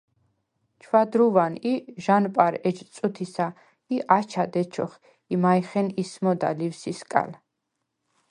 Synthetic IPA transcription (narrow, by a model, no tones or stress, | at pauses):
t͡ʃʰwad̪ɾuvaniʒanpʼaɾɛd͡ʒt̪sʼut̪ʰisa | iʔat͡ʃʰad̪ɛt͡ʃʰɔχ | imajχɛnismɔd̪a̰livsiskʼa̰l